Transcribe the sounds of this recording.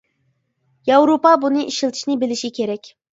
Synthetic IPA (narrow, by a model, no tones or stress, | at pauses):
jɑwɾopɑbunɨʔiʃilˠt̪ʰɨ̥ʃnɪbɪlɪʃikʲʰeɾɛkʲ